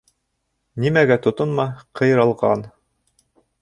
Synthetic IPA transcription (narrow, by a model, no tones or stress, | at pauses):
nimæɡæt̪ŏt̪ɤnmɑqʰɤ̆jɾɑlˠʁɑ̰n